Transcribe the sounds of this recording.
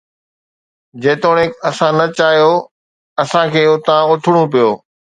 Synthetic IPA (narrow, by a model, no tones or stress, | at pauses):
d͡ʑeːt̪oːɽ̃ekɐsãnɐt͡ɕaːɦijoː | ɐsãkʰeːʊt̪ãʊt̪ʰɪɽ̃ũpijoː